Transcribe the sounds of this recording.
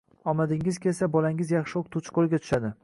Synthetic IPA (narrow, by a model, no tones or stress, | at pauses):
ɒmad̪ɪŋɪzkʲe̞lsabɒlaŋɪzjɑχʃɪoqt̪ʰʊt͡ʃqʰolˠɡʲat̪ʰʊ̥ʃad̪ɪ